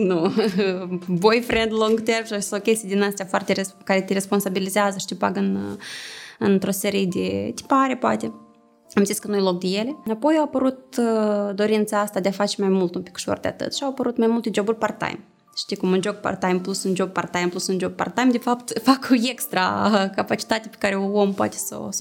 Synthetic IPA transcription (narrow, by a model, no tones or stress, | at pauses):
nu | bojfɾend̪lõŋɡt̪ervʃasokʲest̪ijd̪inast̪ejafoart̪eɾekaɾet̪eɾe̞spo̞nsabilizeazəʃi̥t̪ipa̰ɡɨn | ɨnt̪ɾo̞se̞ɾije̞d̪ḛt̪i̥paɾe̞poa̰t̪e̞ | amziskənujelo̞k̚d̪eje̞le̞apo̞jawapəɾut̪̚d̪o̞ɾint̪saast̪ad̪eafat͡ʃe̞majmult̪umpikʃo̰rd̪eat̪ɨ̰t̪ʃiawapəɾut̪majmulˠt̪e̞d͡ʒo̞burʲpart̪a̰jm | ʃi̥t̪ikumund͡ʒo̞ɡ̚pa̰rt̪ajmplusɨnd͡ʒo̞ɡ̚part̪ajmplusɨnd͡ʒo̞ɡ̚pa̰rt̪ajmd̪efapt̪fakoekst̪ɾa̰kapat͡ʃi̥t̪at̪epe̥kaɾeoompoa̰t̪e̥so̰s